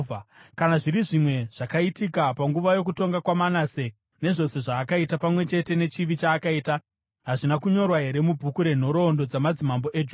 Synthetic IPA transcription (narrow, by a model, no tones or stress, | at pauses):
kanaʐiɾiʐimwe̞ʐ̥akaitikapaŋɡuʋajo̞k̬uto̞ŋɡakwamanase | ne̞ʐo̞se̞ʐaːkaitapamwe̞t͡ʃe̞te̞ne̞t͡ʃiʋit͡ʃaːkaiːta | ɦaʐinakuɲo̞rwaɦe̞ɾe̞mubʱukuɾe̞n̤o̞ɾo̞ːndo̞d͡zamad͡zimambo̞ʔed͡ʒu